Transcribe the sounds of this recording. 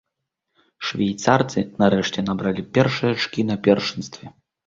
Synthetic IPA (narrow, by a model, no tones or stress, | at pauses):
ʂvʲajt̪sart̪sɨnaɾɛʂt͡sʲɛnabɾalʲipʲɛrʂɨjɐt͡ʂkʲinɐpʲɛrʂɨnst̪vʲɛ